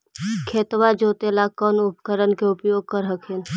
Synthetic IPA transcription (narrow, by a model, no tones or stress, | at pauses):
kʰeːt̪wad͡ʒoːt̪elakɔːnʊpkəɾənkeʊpjoːɡ̚kəɾɦəkʰeːn